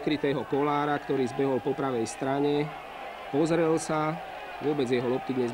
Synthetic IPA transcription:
kɾit̪ɛːɦɔkɔlaːɾakt̪ɔɾiːzbɛɦɔlpɔpɾaʋɛjst̪ɾaɲɛ | pɔzɾɛlsa | ʋʊɔbɛd͡zjɛɦɔlɔp̚t̪id̪ɲɛz

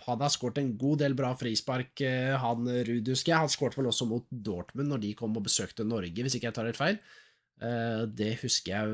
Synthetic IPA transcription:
hɑd̪ɑskoːʈɛnɡuːd̪eːlbɾɑːfɾiːspɑɾkɦɑnɾʉːd̪hʉskəhɑnskoːʈʋɛlɔsːɔmuːt̪̚d̪oːʈmʉnːɔɖɪkʰɔmːɔbəsøːkt̪ənɔɾɡəʋɪsɪkːjæɪt̪ɑːɾɛt̪fæɪl | d̪ɛhʉskəjæɪ

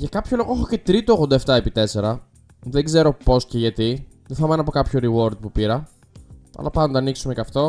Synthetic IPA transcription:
ʝɐkɐpçolo̞ɣoexoce̞t̪ɾit̪oɣod̪ɐeft̪ɐepit̪e̞se̞ɾɐ | ðeɡze̞ɾo̞po̞sce̞ʝɐt̪i | ðeθɐmɐnɐpokɐpçoɾiwo̞ɾd̪̚pupiɾɐ | ɐ̰lɐpɐnt̪ɐniksumecɐft̪o̞

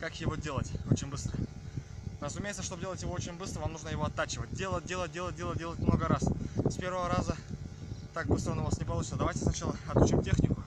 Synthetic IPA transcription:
kakjɪvodʲe̞lˠətʲo̞t͡ɕɪnʲbɨst̪ɾə | rəzʊmʲejt̪səʂt̪obdʲelˠətʲjɪvo̞ot͡ɕɪnʲbɨst̪ɾəvamnuʐnəjɪvo̞ɐt̪ːat͡ɕɪvət̚ʲdʲelˠət̚ʲdʲelˠət̚ʲdʲelˠət̚ʲdʲe̞lˠətdʲe̞lˠətʲmno̞ɡəɾasspʲe̞ɾvəvəɾazə | t̪ak̚bɨst̪ɾənovasnʲɪpɐlˠut͡ɕɪnəd̪ɐvajtʲɪsnɐt͡ɕalˠəɐt̪ʊt͡ɕimtʲexnʲɪkʊ

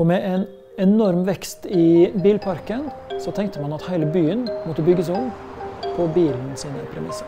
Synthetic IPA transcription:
ɔmɛʔɛn | ɛnɔɾmʋɛkst̪ɪbiːlpʰɑɾkənsɔt̪ʰɛŋk̚t̪əmɑnɑt̪hæɪləbyːənmɔt̪ːəbʏɡːəsʊm | pʰɔbiːln̩siːnəpʰɾɛmɪsːə

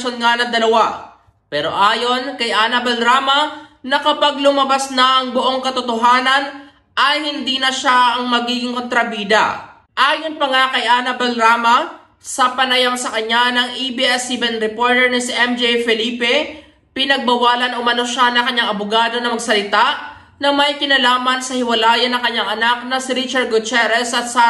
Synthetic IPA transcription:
onŋanɐd̪ɐlɐwa | pɛːɾo̞̰ʔaːjo̞nkɐjʔaːnɐbɐlɾaːmɐnɐkɐpaɡ̚lʊmɐbasnɐʔɐŋboʔo̞ŋkɐt̪ot̪oɦaːnɐn | ʔɐjhɪnd̪iːnɐʃaʔɐŋmɐɡiːɡɪŋkont̪ɾɐbiːd̪ɐ̰ | ʔaːjo̞npɐŋakɐjʔanɐbɐlɾaːmɐ | sɐpɐnɐjamsɐkɐɲːanɐŋʔibiʔɛsibɛnɾɛpoːɹt̪ɛɹnɐsiʔɛmd͡ʒɛjfɛliːpɛ | pɪnɐɡ̚bɐwaːlɐnɐʔʊmɐno̞ʃanɐŋkɐɲːaŋɐbʊɡaːd̪o̞nɐmɐɡ̚sɐlɪt̪a | nɐmɐjkɪnɐlaːmɐnsɐhɪwɐlaːjɐnːɐŋkɐɲːaŋʔɐnak̚nɐsɪɾit͡ʃɐɾd̪̚ɡʊt͡ʃɛɾɛsɐt̪̚sɐ

